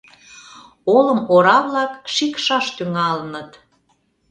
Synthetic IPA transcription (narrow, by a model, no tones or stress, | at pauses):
oləmoɾɑβlɑkʃikʃɑʃt̪yŋɑlənət̪